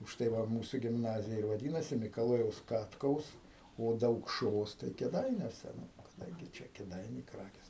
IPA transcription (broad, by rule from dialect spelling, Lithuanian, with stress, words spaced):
ʊʃˈtɐɪ ˈʋɐ ˈmuːsʊ ɡʲɪmˈnɑːzʲɪjɛ ɪr ʋɐˈdʲiːnɐsʲɪ mʲɪkɐˈlˠoːjɛʊs ˈkɑːtkɐʊs oː dɐʊkˈʃoːs tɐɪ kʲeːˈdɐɪnʲuɔsʲɛ nʊ kɐˈdɐŋʲɡʲɪ ˈt͡ʃʲɛ kʲeːˈdɐɪnʲɛɪ ˈkrɑːkʲeːs